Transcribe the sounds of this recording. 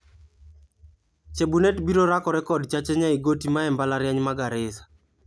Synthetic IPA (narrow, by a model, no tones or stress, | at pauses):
t͡ʃebunetbiɾoɾakɔɾɛkɔdt͡ʃat͡ʃɛɲaiɡotimaɛmbalaɾjaɲmaɡaɾɪsḁ